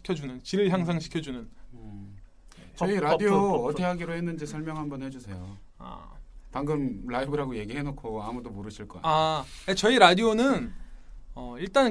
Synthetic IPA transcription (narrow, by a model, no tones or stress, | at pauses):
kʰjʌd͡ʑunɯnt͡ɕiɾɯɭçjaŋs̬ʰaŋɕʰi̥kʰjʌd͡ʑunɯn | t͡ɕʌiɾadioʌtʰeɦaɡiɾoɦenːɯnd͡ʑisʰʌɭmjʌŋɦambʌnhe̞d͡ʑusʰe̞jo | a̰paŋɡɯmɭaibɯɾɦaɡoje̞ɡiɦe̞nokʰoamudomoɾɯɕʰiɭk͈ʌ̰aat͡ɕʌiɾadionɯn | ʌiɭt͈an